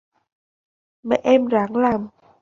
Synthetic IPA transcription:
mɛ̰˨˦ʔɛ˧mzaː˨˦ŋlaː˨˩m

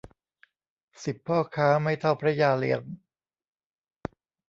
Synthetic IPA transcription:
si˨˩pʰːɔː˥˩kʰaː˦˥ma˥˩jt̪ʰa˥˩wpʰɾa˦˥jaː˧lḭ˧˩ən

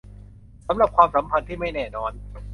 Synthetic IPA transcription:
sa˩˦mɾa˨˩p̚kʰwaː˧msa˩˦mpʰa˧nt̪ʰiː˥˩ma˥˩jnɛː˥˩nɔː˧n

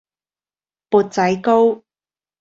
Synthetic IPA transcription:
puː˧t̚t͡sɐ˨˥jko˥w

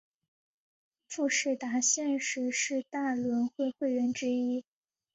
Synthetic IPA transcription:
fu˥˧ʂɻ̩˥˩t̪a˧˥ɕjɛ˥˧nʂɻ̩˥˩ʂɻ̩˥˧t̪a˥˩lwə˧˥nxwe˥˧ɪxwe˥˩ɪɥɛ˧˥nʈ͡ʂɻ̩˥i˥

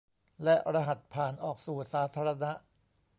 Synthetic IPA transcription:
lɛ˦˥ʔɾa˧ɦa˨˩t̪̚pʰaː˨˩nʔɔː˨˩k̚suː˨˩saː˩˦t̪ʰaː˧ɾa˧na˦˥ʔ

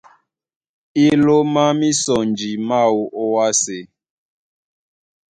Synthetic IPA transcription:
i˦lo˦ma˦mi˦sɔ˨nd͡ʒi˨ma˦wu˨ʔo˦wa˦se˨

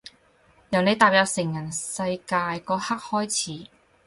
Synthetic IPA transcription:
jɐ˨˩wne˨˧jt̪aː˨˩p̚jɐ˧w̚sɪ˨˩ŋjɐ˨˩nsɐ˧jkaː˧jkɔː˧˥ha˥k̚hɔː˥jt͡sʰiː˨˥

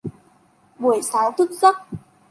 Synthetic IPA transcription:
ɓu˧˨˩əjsaː˨˦wt̪ʰu˦˥t̚za˦˥k̚

